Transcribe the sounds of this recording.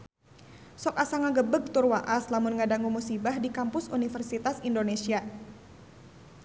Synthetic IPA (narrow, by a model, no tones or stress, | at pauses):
sɔkasaŋaɡəbəɡ̚t̪ʊrwaʔaslamʊnŋadaŋumusibahdikampʊsunifərsit̪asindonesia